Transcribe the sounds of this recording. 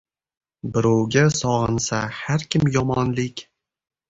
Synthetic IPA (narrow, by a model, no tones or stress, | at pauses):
bɪɾowɡʲasɒʁɨnsahaɾkʲɪmjɒmɒnlɪkʲ